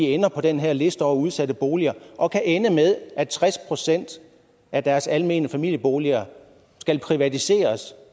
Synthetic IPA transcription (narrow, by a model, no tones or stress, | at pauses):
ienɐpʰɒ̽d̥enɦeɐ̰le̝sd̥əɒuð̞ˠsæd̥əb̥o̝ːliɐʔɒ̽kʰæʔenəmeð̞ˠʔæ̥t͡sʰʁaspʰʁo̝sen̰d̥ | ʔæd̥æɐsælme̝̰ːnəfæmil̰jəb̥o̝ːliɐ | sɡ̥ælpʰʁiʋæt͡sʰise̝̰ːɐs